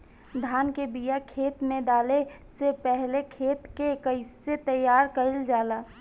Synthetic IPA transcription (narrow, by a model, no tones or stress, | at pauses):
d̪ʱaːnkebijakʰeːt̪mẽd̪aːlesepɛɦlekʰeːt̪kekəɪset̪əjːaːɾkəɪld͡ʒaːlaː